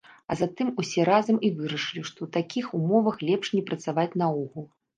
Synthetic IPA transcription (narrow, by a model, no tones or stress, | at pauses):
ɐzat̪ɨmusʲɛɾazɐmivɨɾɐʂɨlʲiʂt̪ɔwt̪akʲixumɔvɐxlʲɛpʂnʲɛpɾɐt̪savat͡sʲnɐuɣulˠ